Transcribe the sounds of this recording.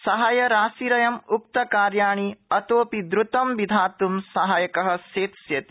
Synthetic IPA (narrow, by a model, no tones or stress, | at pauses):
sɐɦajɐɾaːsiɾɐjɐmuk̚t̪ɐkaːɾjaːɳiɐt̪oːpid̪ɾut̪ɐmʋid̪ʱaːt̪umsɐɦaːjɐkɐɦɐ̆seːt̪sjɐt̪i